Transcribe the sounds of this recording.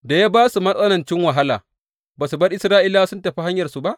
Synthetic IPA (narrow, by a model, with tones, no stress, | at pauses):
da˨jaː˦baː˦su˨mɐ˦ɗʼɐ˦nɐ˨nt͡ʃɪ˦ŋwa˨ɦa˦la̰ː˨ | baː˨su˨bɐ˦rʔɪ˦sɾaː˦ʔi˦la˦sʊ˦ntɐ˨ɸi˦ɦa˦ɲjɐ˨rsu˨ba˦ʔ